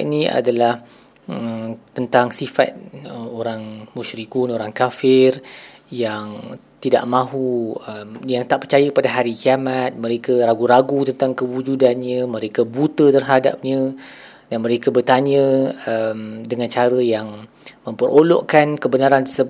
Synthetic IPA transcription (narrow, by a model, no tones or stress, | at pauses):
nĩa̰dalah | əmt̪ənt̪aŋsifa̰t̪̚əoɾaŋmuʃɾikunoɾaŋkafɪr | jaŋ | t̪ida̰ʔmãɦuəmjaŋt̪aʔpərt͡ʃajəpadaɦaɾikiamat̪̚mə̃ɾekəɾaɡuɾaɡut̪ənt̪aŋkəwud͡ʒudanɲə̃mə̃ɾekəbut̪ət̪ərɦada̰p̚ɲə̃ | danmə̃ɾekəbərt̪aɲə̃əmdəŋãnt͡ʃaɾəjaŋ | mə̃mpərolo̰ʔkankəbənaɾant̪əsə